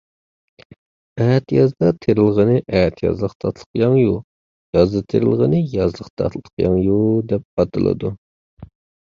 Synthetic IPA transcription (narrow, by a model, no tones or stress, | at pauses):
ɛːt̪jɑzd̪ɑt̪ʰeɾɪlˠʁənɨʔɛt̪ʰjɑ̰zlˠəqt̪ʰɑt̪ʰlˠə̥qjɑŋju | jɑzɨt̪ʰeɾɪlˠʁənɨjɑzlˠəqt̪ʰɑ̰t̪ʰlˠə̥qjɑŋjud̪ɛp̚qɑt̪ɨlˠɨ̰d̪u